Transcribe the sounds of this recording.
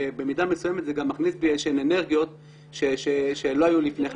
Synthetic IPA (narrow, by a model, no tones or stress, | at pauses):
ebe̞midame̞sujemet̪zeɡamːaχnisbieʃenene̞ʁɡijo̞t̪ | ʃeʃeʃelo̞ajulifne